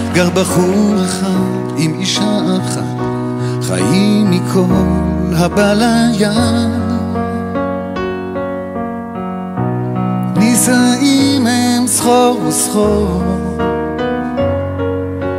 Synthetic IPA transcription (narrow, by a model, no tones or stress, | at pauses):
ɡaʁbaχuaχat | imiʃaaχa̰t̪ | χa̰jimikʰollhabalaja | nisaimeemsχoʁvesχo